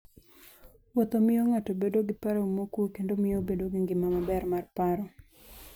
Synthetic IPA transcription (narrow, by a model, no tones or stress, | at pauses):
wɔt̪omɪjoŋatobedoɡɪpaɾomokwokendomɪjobedoɡɪŋɡɪmamabɛrmarpaɾɔ